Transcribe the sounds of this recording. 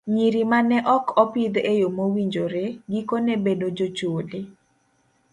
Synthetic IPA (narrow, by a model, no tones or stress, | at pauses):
ɲiɾimanɛʔɔkʰɔpid̪ejomowiɲd͡ʒoɾeɡikonebedod͡ʒot͡ʃolɪ